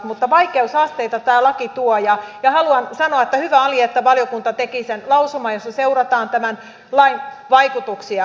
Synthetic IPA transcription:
t̪mut̪ːɑʋɑikeusɑst̪eit̪ɑt̪æːlɑkit̪uojɑjɑhɑluɑnsɑnoɑet̪ːæhyʋæɑliɑet̪ːæʋɑljokunt̪ɑt̪ekisenlɑusomɑjosːɑseurɑt̪ɑːnt̪æmæn | lɑin | ʋɑikut̪uksiɑ

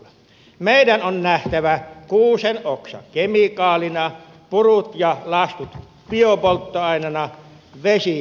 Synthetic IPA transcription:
meˑidænonnæht̪æʋækuːsenʔoksɑ̰ŋkemikɑːlinɑ | purut̪jɑlɑst̪ut̪ | piopolt̪ːoɑˑinɑnɑ | ʋesi

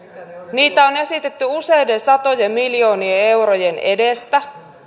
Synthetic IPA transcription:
niːt̪æo̞ne̞sit̪e̞t̪ːyuse̞jde̞nsɑt̪o̞jemmiljo̞ːniee̞wɾoje̞ne̞̰dest̪æ

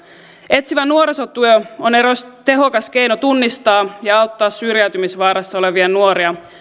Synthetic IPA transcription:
e̞t̪siʋænːuoɾesot̪ːyøo̞neɾost̪e̞ɦo̞kɑsk̟e̞jnot̪unːist̪ɑːjɑɑwt̪ːɑːsːyrjæyt̪ymisʋɑːɾɑst̪o̞le̞ʋiɑnuoɾiɑ

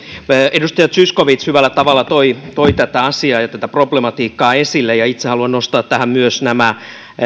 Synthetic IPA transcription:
edust̪ɑjɑt̪syskoʋit̪shyʋælːˑæt̪ɑʋɑlːˑɑt̪oit̪oit̪æt̪æɑsiɑːjɑt̪æt̪æproblemɑt̪iːkːɑːesilːejɑit̪sehɑluɑnnost̪ɑːt̪tæhæmmyøsnæmæ

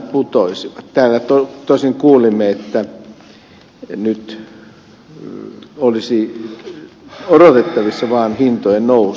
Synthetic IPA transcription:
put̪oisiʋɑt̪t̪æːlːæt̪ot̪oˑisiŋkuːlimːeet̪ːæ | nyt̪ | olisi | orot̪et̪ːɑʋisːɑʋɑːnhint̪ojennou

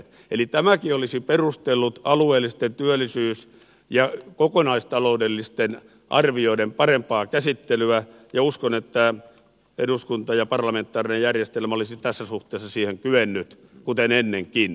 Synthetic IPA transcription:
t̪ | elit̪æmækiolisiperust̪elːut̪ɑlueːlːˑist̪ent̪yælːˑisyːs | jɑkokonɑist̪ɑloudelːist̪en | ʔɑ̰rʋioidempɑrempɑːkæsit̪ːelyæ | jɑuskonet̪ːæ | eduskunt̪ɑjɑpɑrlɑment̪ːˑɑːrinejærjest̪elmæolisit̪æsːæsuht̪eːsːɑsiːheŋkyʋenːyt̪ | kut̪enenːeŋkin

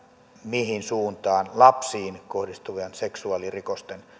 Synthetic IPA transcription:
mihinsuːnt̪ɑːnlɑpsiːnkohdist̪uʋiɑnseksuɑlirikost̪en

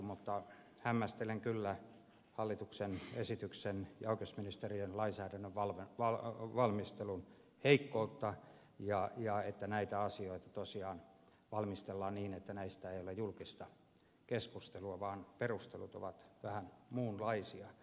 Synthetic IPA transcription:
mut̪ːɑ | hæmːæst̪eleŋkylːæ | hɑlːit̪uksenesit̪yksenjɑukesminist̪erienlɑinsæːɾænːøʋʋɑlʋeɑʋɑlmist̪elun | heikːout̪ːɑ | jɑjɑet̪ːænæit̪æɑsioit̪ɑ̥t̪osiɑːn | ʋɑlmist̪elːɑːnniːnet̪ːænæist̪æeiolejulkist̪ɑ | keskust̪eluɑʋɑːnperust̪elut̪o̰ʋɑt̪ʋæhænmuːnlɑisiɑ

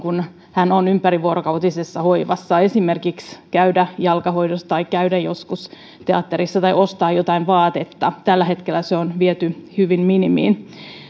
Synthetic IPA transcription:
kun | hænonympæɾiʋuoɾokɑwt̪isesːɑhoiʋɑsːɑe̞simerkikskæydæjɑlkɑho̞idost̪ɑikæydæjoskus | t̪eɑt̪ːeɾisːɑt̪ɑjost̪ɑːjot̪ɑinʋɑːt̪et̪ːɑt̪ælːæɦe̞t̪kelːæseonʋiet̪yhyʋinminimḭːn

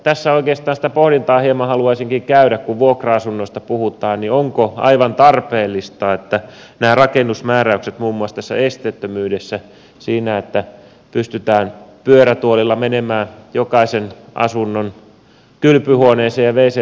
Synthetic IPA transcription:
t̪æsːæoikeːst̪ˑɑːnsit̪æpohɾint̪ɑːhiemɑhɑluɑisiŋkiŋkæyɾækkuʋʋuokrɑɑsunːoist̪ɑpuhut̪ɑːnnioŋkoɑ̰iʋɑnt̪ɑrpeːlːist̪ɑːet̪ːæ | næːrɑkenːusmæːræykset̪muːmːuɑst̪æsːæ̰est̪et̪ːømyːdesːæ | siːnæet̪ːæ | pyst̪yt̪æːnpyøɾæt̪uolilːɑmenemæːjokɑisenʔɑ̰sunːon | kylpyhuoneːseːjɑʋeise

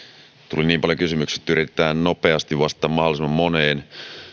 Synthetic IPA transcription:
t̪ṵliniːmpɑljo̞kysymykse̥t̪ːyɾit̪et̪æːnno̞pe̞ɑst̪iʋʋɑst̪ːˑɑːmɑholˑisemːɑmːo̞neːn

